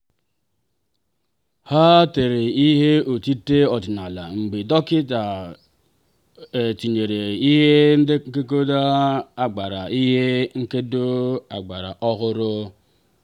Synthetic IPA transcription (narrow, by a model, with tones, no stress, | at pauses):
ha˦te˨ɾe˨i˦ɦe˦o˨ti˦te˦ɔ˨dɪ˨na˨la̰˨ŋ͡m̩˨ɡ͡be˨dɔ˦kɪ˦ta˨ | e˨ti˨ɲe˨ɾe˨i˦ɦe˦n̩˦de˦ke˦k̬o˦da˦a˨ɡ͡ba˨ɾa˨i˦ɦe˦ŋ̩˦ke˦do˦a̰˨ɡ͡ba˨ɾa̰˨ʔɔ˦ɦʊ˦ɾʊ˦